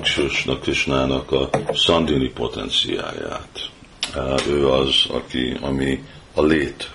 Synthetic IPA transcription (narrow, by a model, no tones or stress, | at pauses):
kʃuʃnɒkriʃnaːnɒkɒsɒnd̪inipo̞t̪ɛ̰nt̪sija̰ːja̰ːt̪ | øːɒzɒ̰kḭɒmi | ɒleːt̪